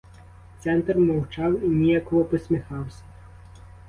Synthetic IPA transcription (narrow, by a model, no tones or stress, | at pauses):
t̪sɛnt̪rmɔwt͡ʃɑwinʲijakɔɦɔpɔsʲmʲixɑwsʲɐ̥